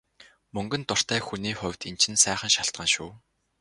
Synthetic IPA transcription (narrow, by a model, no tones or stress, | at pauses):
mɵŋɡɵ̆nt̪ʊr̥t̪æːxuniːχʊwʲt̪int͡ɕʰɪ̆nsæːχə̆nʃaɬt̪̚ɢə̆nʃuː